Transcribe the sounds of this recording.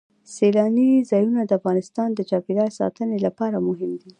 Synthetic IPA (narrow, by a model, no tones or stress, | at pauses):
selɑnizɑjunad̪əafɣɑnɪst̪ɑnd̪ət͡ʃɑbiɾɑjsɑ̰t̪ənelapɑɾamʊɦɪmd̪i